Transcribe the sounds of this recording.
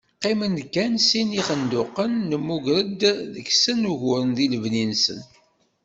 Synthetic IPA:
qːimənkːænsiniχənd̪ʊqːənːəmːuʝɾəd̪ðəksənuʝʊɾənðiləvninsə̰n

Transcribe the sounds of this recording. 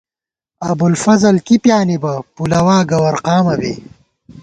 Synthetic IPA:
ɐbulfɐzɐlkipjaːnibɐpulɐwaːɡɐwɐɾqaːmɐbḛː

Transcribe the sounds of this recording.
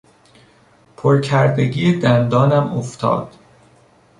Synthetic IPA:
pʰoɾcʰæɾd̪eɟiːed̪ænd̪ɒːnæmoft̪ʰɒ̰ːd̪̥

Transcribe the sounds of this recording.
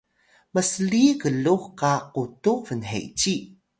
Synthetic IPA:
məsəlikəɮuxkaqutuvənɦḛt͡ɕi

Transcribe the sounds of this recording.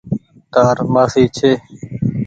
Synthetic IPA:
t̪aːɾmaːsiːt͡ʃʰeː

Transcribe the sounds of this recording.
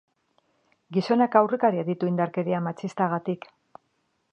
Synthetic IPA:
ɡiso̞nakawrekaɾiaðit̪uind̪aɾke̞ɾiamat͡ʃt͡sist̪aɣ̞at̪ik

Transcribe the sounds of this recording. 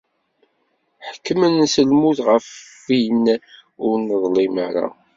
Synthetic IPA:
ħəkːəmənːsəlmuθʁəf | inæ | ʊɾnəðˤlimaɾa̰

